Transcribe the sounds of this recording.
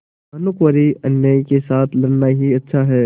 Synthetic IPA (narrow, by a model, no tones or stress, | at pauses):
ɐnʊkwəɾiɐnjaikesaːt̪ʰlɐɽnaɦiɐtːʃʰaɦɛː